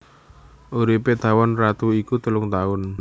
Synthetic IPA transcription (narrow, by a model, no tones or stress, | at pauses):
uɾiped̪̥a̤wɔnrat̪uikut̪əlʊŋt̪aʊn